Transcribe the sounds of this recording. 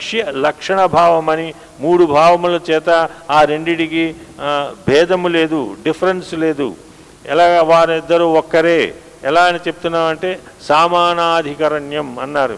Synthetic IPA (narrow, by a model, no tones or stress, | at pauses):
kʂjɐlɐkʂɐɳɐbʱaːʋɐmɐni | muːɽubʱaːʋɐmulɐt͡ʃɛːt̪ɐaːɾe̞ɳɖiɽiki | bʱɛːd̪ɐmule̞ːd̪uɖipʰɐɾensle̞ːd̪ṵ | ɛlaːɡʋaːɾid̪ːɐɾuɔkːɐɾeː | ɛlaːɐnit͡ʃe̞put̪unːaːɾɐɳʈeː | saːmaːnaːd̪ʱikɐɾɐɳjɐmɐnːaːɾṵ